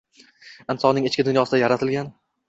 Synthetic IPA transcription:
ɪnsɒnɪŋɪt͡ʃkʲɪd̪ʊnjɒsɪd̪ajaɾat̪ʰɪlɡʲan

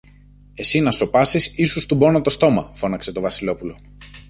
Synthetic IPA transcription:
e̞sinɐso̞pɐsisisust̪ubo̞not̪o̞st̪o̞mɐ̰fo̞nɐkse̞t̪o̞vɐsilo̞pulo̞

